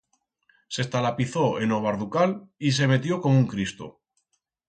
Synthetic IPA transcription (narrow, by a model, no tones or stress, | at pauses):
se̞st̪alapiθo̞e̞no̞β̞aɾðukalis̬e̞me̞t̪jo̞ko̞muŋkɾist̪o̰